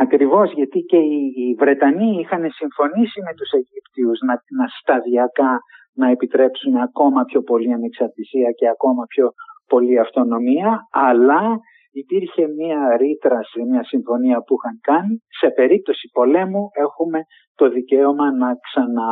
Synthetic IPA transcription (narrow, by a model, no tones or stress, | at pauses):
ɐkɾivo̞zʝɐt̪ice̞ivɾe̞t̪ɐniixɐne̞siɱfo̞nisime̞t̪use̞ʝipt̪iuznɐnɐst̪ɐðiɐkɐ | nɐe̞pit̪ɾe̞psuneɐko̞mɐpço̞po̞liɐneksɐɾt̪isiɐce̞ɐko̞mɐpço̞po̞liɐft̪o̞no̞miɐɐlɐ | ipiɾçe̞miɐɾit̪ɾɐsimɲɐsiɱfo̞niɐpuixɐŋkɐnise̞pe̞ɾip̚t̪o̞si̥po̞le̞mue̞xume̞ | t̪o̞ðice̞omɐnɐksɐnɐ